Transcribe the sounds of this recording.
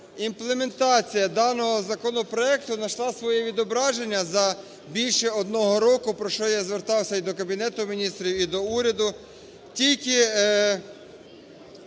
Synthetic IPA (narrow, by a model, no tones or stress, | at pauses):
implˠeme̞nt̪ɑt͡sʲijɐd̪ɑnɔɦɔzɐkɔnɔpɾɔɛkt̪ʊnɐʃlˠɑsʋɔjɛʋʲid̪ɔbɾɑʒe̞nʲːɐzɐ | bʲilʲʃɛɔd̪nɔɦɔɾɔkʊpɾɔʃɔjazʋert̪ɑwsʲɐid̪ɔkɐbʲinɛt̪ʊmʲinʲist̪ɾʲiwid̪ɔuɾʲɐd̪ʊ | tʲilʲkɪ